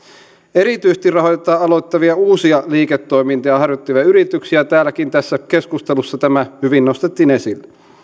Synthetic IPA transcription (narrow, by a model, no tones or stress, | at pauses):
e̞ɾit̪yjse̥st̪irrɑɦojt̪et̪ːˑɑːɑlojt̪ːɑʋiɑuːsiɑliːket̪ːo̞imint̪ɑjɑhɑrjot̪ːiʋæyɾit̪yksiæt̪æːlækint̪æsːæke̞skust̪elusːɑt̪æmæhyʋinːost̪et̪ːiːne̞silːe